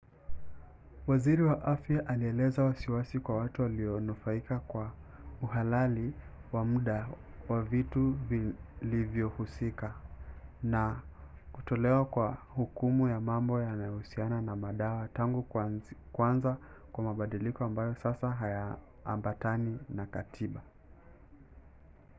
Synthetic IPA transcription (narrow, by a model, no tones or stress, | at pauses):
waziɾiwaʔafjaʔaliɛlɛzawasiwasikwawatuwaliɔnufaikakwa | uhalali | wamuɗa | wavituvilivjɔhusika | na | kutɔlɛwakwahukumujamambɔjanajɔhusiananamaɗawataŋɡukwanzakwamaɓaɗilikɔambajɔsasaɦaja̰ː | mbataninakatʰiɓa